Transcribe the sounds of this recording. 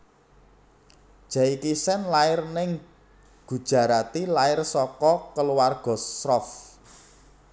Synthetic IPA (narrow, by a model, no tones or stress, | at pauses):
d̥ʒ̥aikisɛnlaɪrnɪŋ | ɡ̥ṳd̥ʒ̥a̤ɾat̪ilaɪrsɔkɔkəluwarɡ̥ɔ̤srɔf